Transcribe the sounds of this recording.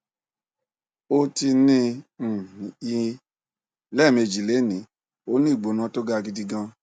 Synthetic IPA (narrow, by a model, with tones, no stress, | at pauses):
o˧ti˧nĩ˦ñ̩˨˦i˧ | lɛ˦˨me˧d͡ʒi˨le˨˦˨nĩ˨˦ | o˦nĩ˦˨ɡ͡bo˨˦nã˨˦to˦ɡa˦˧ɡi˧di˧ɡã˧